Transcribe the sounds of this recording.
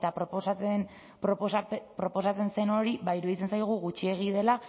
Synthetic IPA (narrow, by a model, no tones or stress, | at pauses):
t̪apɾoposaen | ppɾo̞po̞sat͡se̞nse̞no̞ɾiβaiɾuðit͡se̞nsajɣ̞uɣut͡ʃie̞ɣ̞iðe̞la